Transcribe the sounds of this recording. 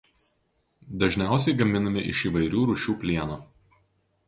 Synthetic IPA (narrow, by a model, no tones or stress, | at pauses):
d̪ɐʒʲnʲæˑʊsʲɛɪɡɐmʲɪnɐmʲɪʔɪ̰ʃiːˑʋɐɪɾʲuːɾʊʃʲuːpʲlʲiɛnoː